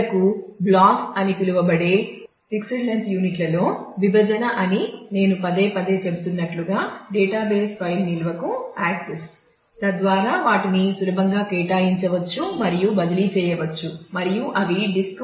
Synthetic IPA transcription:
kublaːkɐnip̪iluʋɐbɐɽeː | sikseɖlɐnsjuːniʈlɐlo̞ːʋibʱɐd͡ʒɐnɐʔɐnine̞ːnupɐd̪eːpɐd̪e̞ːt͡ʃe̞but̪unːɐʈluɡaːɖɛːʈaːbeːspɐjlnilʋɐkuaːkses | t̪ɐd̪ʋaːɾaːʋaːʈinisulɐbʱɐŋɡaːkeːʈaːjiɲt͡ʃɐʋɐt͡ʃːumɐɾijubɐd̪ɐlit͡ʃɛːjɐʋɐt͡ʃːumɐɾijuʔɐʋiɖisk

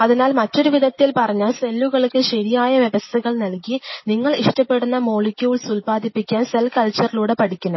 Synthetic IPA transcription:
ɐðinaːlmɐtːo̞ɾuʋiðɐt̪ːilpɐrɐɲːaːɭse̞lːuɣɐɭkːɨɕɐɾijaːjɐʋjeʋɐst̪ʰɐɣɐɭnɐlkiniŋːɐɭiʂʈɐpːe̞ɽunːɐmo̞ːɭikʲːuʋiɭsulpaːd̪ipːikʲːaːnselkɐlt͡ɕːɐriluːɽe̞pɐɽikʲːunɐ

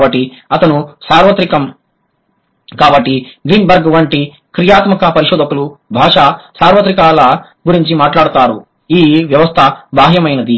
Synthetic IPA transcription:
bɐʈːiɐt̪ɐnusaːɾʋɐt̪ɾikɐm | kaːbɐʈːiɡɾiːnbɐɾɡʋɐɳʈi | kɾijaːt̪mɐkɐpɐɾiʃɔːd̪ɐkulubʱaːʂaːsaːɾʋɐt̪ɾikaːlɐ | ɡuɾiɲt͡ʃimaːʈlaːɽut̪aːɾu | iːʋjɐʋɐst̪ʰɐbaːɦjɐmɐjnɐd̪i

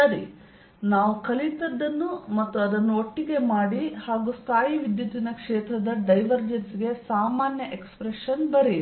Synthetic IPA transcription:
ɐɾi | naːʋukɐlit̪ɐd̪ːɐnːumɐt̪ːuɐd̪ɐnːuoʈːiɡe̞maːɽihaːɡust̪ʰaːjiʋid̪jɐt̪inɐkʂeːt̪ɾɐd̪ɐɖɐjʋɐɾd͡ʒensiɡe̞saːmaːnjɐʔekspɾeʂɐnbɐɾi

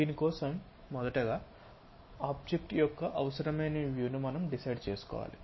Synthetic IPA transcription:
d̪iːnikɔːsɐmː | ɔd̪ɐʈɐɡaː | aːb̚d͡ʒek̚ʈjɔkːɐʔɐʋɐsɐɾɐmɐjnɐʋjuːnumɐnɐmɖisɐjɖt͡ʃe̞ːsu̥kɔ̰ːʋa̰ːli

